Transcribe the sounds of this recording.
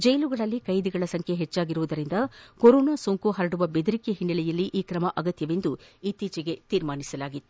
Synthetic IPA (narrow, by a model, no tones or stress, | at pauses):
d͡ʒɐjluɡɐɭɐlːikɐjd̪iɡɐɭɐsɐŋkʰeɦet͡ʃːaːɡiɾuʋud̪ɐɾind̪ɐkoɾoːnaːsoːŋkuɦɐɾɐɽuʋɐbed̪uɾikeɦinːɐlɛjɐlːiʔiːkɾɐmɐʔɐɡɐt̪jɐʋe̞nd̪uit̪iːt͡ʃɛɡe̞t̪iːɾmaːnisɐlaːɡit̪ːu